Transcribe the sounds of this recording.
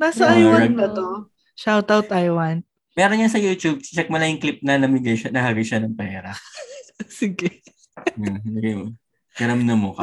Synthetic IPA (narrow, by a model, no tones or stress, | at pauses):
nasɐʔajwɐɐɡ̪kɐt̪o | ʃawt̪awt̪ʔajwɐn | mɛːɾonjɐnsɐjuːt͡ʃ̪ub̚t͡ʃɐk̚mɐlɐɪŋklip̚nɐnɐmɪɡɐjʃɐnɐhaɡɐjʃanɐŋpɛːɾɐ | sɪɡɛ | anɐɡɐjmo | ɡ̥ɐɾɐmnɐmokɐ